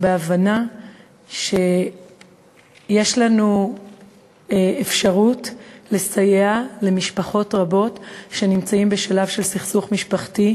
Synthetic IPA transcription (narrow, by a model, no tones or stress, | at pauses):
beavana | ʃe | je̞ʃlanu | efʃaʁutle̞sajeale̞miʃpaχo̞tʁabo̞tʃe̞nimt͡saimbe̞ʃalavʃe̞lsiχsuχmiʃpaχti